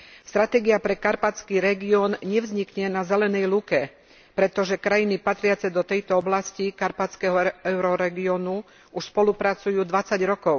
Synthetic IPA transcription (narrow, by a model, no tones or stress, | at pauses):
st̪ɾat̪ɛːɡiapɾɛkaɾpat͡skiːɾɛɡiɔnɲɛvzɲikɲɛnazɛlɛnɛjlukɛ | pɾɛt̪ɔʒɛkɾajinipat̪ɾɪat͡sɛd̪ɔt̪ɛjt̪ɔɔblascikaɾpat͡skɛɦɔɛʊɾɔɾɛɡiɔnu | uʃspɔlupɾat͡sujuːd̪ʋat͡saɟɾɔkɔʊ